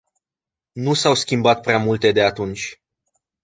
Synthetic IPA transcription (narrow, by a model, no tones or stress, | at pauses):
nusawskʲimbat̪̚pɾeamult̪e̞d̪e̞at̪unt͡ʃʲ